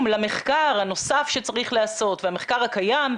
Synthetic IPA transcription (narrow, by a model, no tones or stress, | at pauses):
mlameχkaʁhano̞safʃe̞t͡saʁiχleaso̞t̪veameχkaʁhakajam